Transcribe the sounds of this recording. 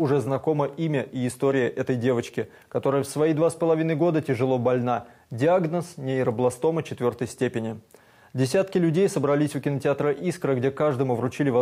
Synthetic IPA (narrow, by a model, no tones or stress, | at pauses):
ʊʐɛznɐko̞məʔimʲəʔiːst̪o̞ɾʲɪjəʔɛt̪əjdʲe̞vət͡ɕkʲɪ | kɐt̪o̞ɾəjəfsvɐjijd̪vaspəlˠɐvʲinəjɡo̞d̪ətʲɪʐɨlˠo̞bɐlʲna | dʲɪaɡnəsnʲɪɪɾəblˠɐst̪o̞mət͡ɕɪt̪vʲo̞rt̪əjsʲtʲepʲɪnʲɪ | dʲɪsʲat̪kʲɪlʲʉdʲejsəbɾɐlʲisʲʊkʲɪnətʲɪat̪ɾəʔiskɾəɡdʲekaʐd̪əmʊvɾʊt͡ɕilʲɪvɐ